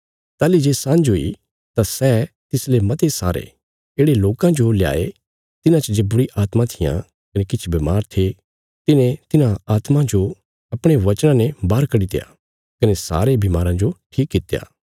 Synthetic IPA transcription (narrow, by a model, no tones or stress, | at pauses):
t̪aːlid͡ʒeːsãːnd͡ʒoḭ | t̪asɛː | t̪ɪslemɐt̪esa̰ːɾḛ | eːɽeloːkãd͡ʒolja̰ːe | t̪ɪnãt͡ʃəd͡ʒeːbʊɾiʔaːt̪mãt̪ʰɪjã̰ | kɐnekɪt͡ʃʰbɐmaːɾt̪ʰe | t̪ɪnẽt̪ɪnãaːt̪mãd͡ʒo | ɐpɽ̃eʋɐt͡ʃɽ̃ãnɛ̃baːɾkɐɽit̪ḛja̰ | kɐnesa̰ːɾebimaːɾãd͡ʒoʈʰiːkːɪt̪eja̰ː